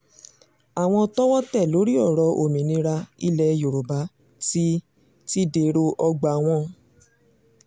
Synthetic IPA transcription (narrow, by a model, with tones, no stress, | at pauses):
a˨w̃ɔ̃˧tɔ˦wɔ̃˦tɛ˦˨lo˨˦ɾi˦ɔ˦˨ɾɔ˧˦ʔo˨mĩ˨nĩ˧˦ɾa˧i˧lɛ˧jo˨ɾo˨ba˨˦ | ti˦ | ti˦de˨˦ɾo˧ʔɔ˧ɡ͡ba˨w̃ɔ̃˧˦